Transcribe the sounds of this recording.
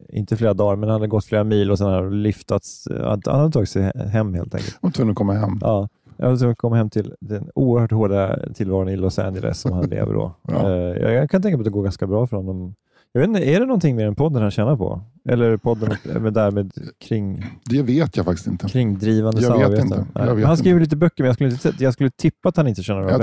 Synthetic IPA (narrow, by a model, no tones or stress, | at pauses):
ɪ̰nt̪əfleːɾad̪ɑːɾmɛnhanad̪ɛɡɔt̪ːfleːɾamiːlɔsɛnhalʏft̪at̪sa̰ha̰nhad̪t̪ʰɑːɡɪt̪sɛɦɛmːhḛːlt̪ʰɛ̰ŋkə̰lt̪vɵŋɔkɔmːahɛmːʔɑː | a̰ad̪t̪ʰɵŋ̚kʰɔmːahɛmt̪ʰɪld̪ɛnṵːəɾhœːʈhoːɖat̪ʰɪlvɑːɾʊnɪlʊsæ̰nələ̰sːɔmhanlḛːvə̰ɖɔ̰j̰kʰanɛkapːɔat̪ɛɡoːɾɡanskabɾɑːfœɾhɔnːɔm | jɑveːt̪ɪnəæɖɛnɔnt̪ʰɪŋːmeːɾɛnpʰɔd̪ːəɾhanɕɛːnaɾpʰɔ̰ | ʔɛlːəɾpʰɔd̪ːənɛd̪æɾmeːd̪kʰɾɪŋd̪ɛveːt̪jafakt̪ɪ̥st̪ɪ̰nt̪əkʰɾɪŋːd̪ɾiːvand̪əsamːɾveːɪnənɛ̰hanskɾiːvəɭiːt̪əbœkːəɾmɛnjɑskɵlːɪnəɛjɑɡskɵlːət̪ʰɪpːat̪hanɪnt̪əɕɛːnaɾ